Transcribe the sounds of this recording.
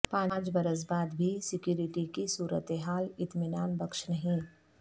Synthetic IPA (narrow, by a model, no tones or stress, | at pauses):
pãːnːd͡ʒbɐɾəs̬baːd̪bʱisɪkjuːɾɪʈikisuːɾə̰t̪eɦaːlɪt̪mɪnaːnbɐkʃnɐɦĩː